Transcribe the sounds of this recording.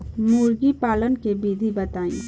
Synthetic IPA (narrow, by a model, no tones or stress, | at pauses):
muːɾɡipaːlənkebiːd̪ʱibɐt̪aːḭ̃ː